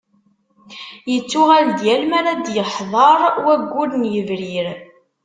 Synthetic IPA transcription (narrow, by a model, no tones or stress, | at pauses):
jət͡sːʊʁæld̪jælmaɾad̪jəħðˤɑɾˤwæɡʷːulnjəvɾiɾ